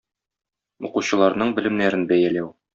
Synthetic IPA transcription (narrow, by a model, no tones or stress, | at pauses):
uquɕɤ̆lˠɑɾnɤɴbɘ̆lɘ̆mnæɾɘnbæjælæw